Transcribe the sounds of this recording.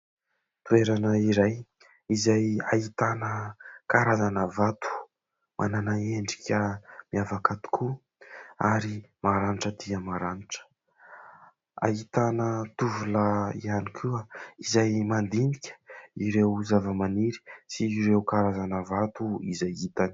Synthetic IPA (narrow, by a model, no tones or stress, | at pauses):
t̪ueɾanəiɾaj | izajait̪anəkaɾazanəvat̪u̥ | mʔa̰nanaeɳɖ͡ʐi̥kʲʰəmiavakat̪u̥kʰu | aɾimaɾaniʈ͡ʂəd̪iəmaɾaniʈ͡ʂə̥ | a̰it̪anət̪uvulaḭanikʰuaizajmand̪inikʲə̥iɾewzavəmaniɾi̥siɾewkaɾazanəvat̪uizajit̪ani̥